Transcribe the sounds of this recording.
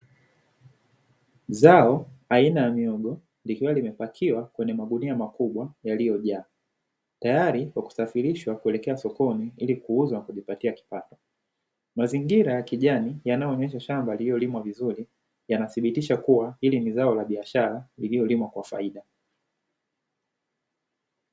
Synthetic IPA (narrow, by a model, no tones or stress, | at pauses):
zaɔainajamiɔɠɔ | likiwalimɛpakʰiwakwɛɲɛmaɡuniamakuɓwajalijɔʄaː | tajaɾikwaku̥safiɾiʃwakuɛlɛkɛasɔkɔniilikuuzwanakuʄipatiaki̥patɔ̥ | maziŋɡiɾajakiʄanijanajɔɔɲɛʃ̬aʃambaliiɔlimwavizuɾi | janaθiɓitiʃakuwahilinizaɔlaɓiaʃaɾalilijɔlimwakwafa̰iɗa